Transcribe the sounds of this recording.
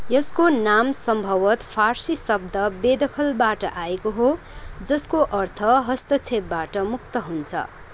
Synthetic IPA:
jʌskonamsʌmbʱʌwʌt̪pʰarsisʌb̚d̪ʱʌbed̪ʌkʰʌlbaʈʌʔaekoɦo | d͡zʌskoʔʌrt̪ʰʌɦʌst̪ʌt͡sʰep̚baʈʌmuk̚t̪ʌɦunt͡sʰʌ̰

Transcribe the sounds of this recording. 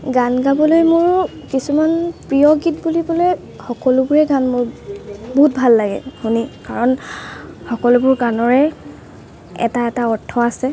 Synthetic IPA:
ɡanɡabɔlojmʊɹ | kisumanpɹijɔɡitbulibɔloj | xɔkɔlʊbʊɹɛɡanmʊɹbɔɦut̚bʱalːaɡɛ̰xunikaɹɔn | xɔkɔlʊbʊɹɡanɔɹɛ | ɛ̰taɛtaɔtʰːɔasɛ

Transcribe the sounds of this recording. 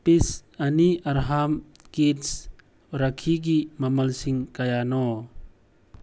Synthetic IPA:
pisɐniʔɐɾɦam | kits | ɾakʰiɡimɐmɐlsiŋkajanɔ

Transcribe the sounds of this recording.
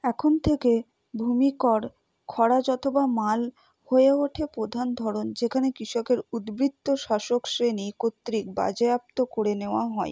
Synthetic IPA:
ɛkʰont̪ʰeke | bʱumikɔɾ | kʰɔɽad͡ʑɔt̪ʰobamal | hoeoʈʰepɾod̪ʱand̪ʱɔɾond͡ʑekʰanekɾiʃɔkeɾud̪bɾit̪ːoʃaʃoksɾenikot̪ːɾik̚ba̰d͡ʑeap̚t̪okoɽeneoaɦɔe

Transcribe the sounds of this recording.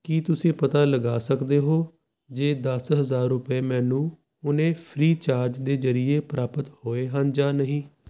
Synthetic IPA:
kit̪ʊsĩːpət̪aːləɡaːsəkd̪eːɦoː | d͡ʒeːd̪əsɦəzaːɾːʊpeːmɛ̃ːnũː | ʊnẽːpʰɾiːt͡ʃaːɾd͡ʒd̪eːzəɾɪeːpɾaːpət̪hoːeːɦənd͡ʒaːnəɦĩː

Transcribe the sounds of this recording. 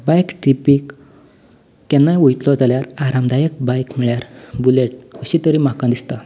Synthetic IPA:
bajkʈɾipik | ɛnːajujt̪lɔd͡zaljaɾaɾamd̪ʱajək̚bajkmiɭjaɾbuleʈ̚kəɕit̪əɾimakãd̪ist̪a

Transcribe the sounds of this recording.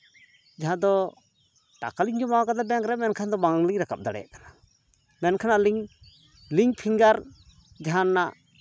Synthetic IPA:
d͡ʒaɦãd̪ɔ | ʈa̰kaliɲd͡ʒɔmawakad̪abɛaŋkɾɛmɛnkʰand̪ɔbaŋliɲɾaka̰p̚d̪aɽɛ̰ja̰ʔkḁna | mɛnkʰanaʔliŋ | liɲpʰiŋɡaɾ | d͡ʒaɦãnːaʔ

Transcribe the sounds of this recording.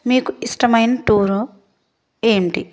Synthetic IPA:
miːkuisʈɐmɐjnɐʈuːɾu | eːɳʈḭ

